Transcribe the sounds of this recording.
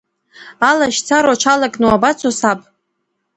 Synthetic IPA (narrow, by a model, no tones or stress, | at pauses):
alaʃt͡sʰaɾat͡ʃʷʰalakʼnuabat͡sʰosapʼ